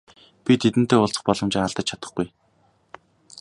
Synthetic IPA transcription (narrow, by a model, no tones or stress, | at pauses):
pʲit̪ʰet̪ɘ̆n̥t̪eːʊɬt͡sə̥̆χpɔɮɞ̆mt͡ɕaaɮt̪ə̆t͡ɕt͡ɕʰat̪ə̆χɡuj